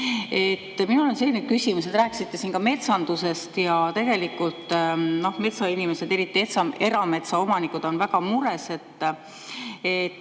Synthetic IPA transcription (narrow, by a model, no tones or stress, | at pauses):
et̪ːminulo̞nse̞lːined̥̪̚kysʲimuse̞d̪̥ɾæːkːˑi̥sit̪ˑːe̞siːnkɑme̞t̪sɑnd̪use̞st̪jɑt̪e̞ɡe̞likːult̪ˑno̞hme̞t̪sɑinime̞se̞d̪e̞ɾit̪ːˑie̞t̪sɑe̞ɾɑme̞t̪sɑo̞mɑnikud̪̥o̞nvæɡɑmuɾe̞se̞t̪ː | et̪ː